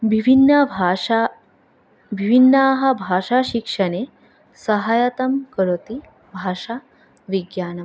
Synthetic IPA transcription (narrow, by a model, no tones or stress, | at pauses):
bʱibʱinːɐbʱaa | bʱibʱinːaɦɐbʱaʂaɕikʂɐne | sɐɦaːjɐt̪ɐmkəɾot̪i | bʱaːʂa | ʋiɡjaːnɐm